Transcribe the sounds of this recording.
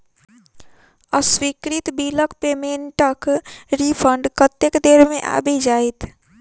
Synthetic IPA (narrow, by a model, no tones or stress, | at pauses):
əswikɾit̪biləkpemeɳʈəkɾipʰəɳɖkət̪ːekd̪eɾmeʔa̰bɛd͡ʒajt̪ʰ